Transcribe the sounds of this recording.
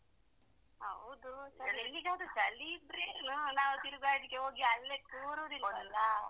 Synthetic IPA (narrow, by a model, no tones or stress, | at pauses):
hɐ̰wd̪usɐɾielːiɡaːd̪ud͡ʒɐlid̪ɾeːnunaːʋut̪iɾuɡaːɾd̪ikːeɦoːɡiɐlːek̪uːɾuɾilɔɐlːɐ